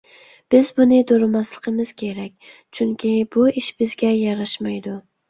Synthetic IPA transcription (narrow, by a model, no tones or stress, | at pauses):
b̥ɪzbʊnɪd̪oɾɪmaslˠɨqʰɨmɪz̥kʲʰe̞ɾak̚ʲt͡ʃʰʊŋkʲʰɪbʊɪʃbɪzɡʲajɑɾaʃmajd̪ʊ